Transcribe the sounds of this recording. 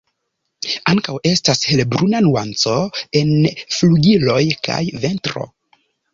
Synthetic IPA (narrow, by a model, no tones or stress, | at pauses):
aŋkawe̞stashelbɾunanuant͡so̞e̞nfluɡilo̞jkʰa̰jve̞ntɾo̞̰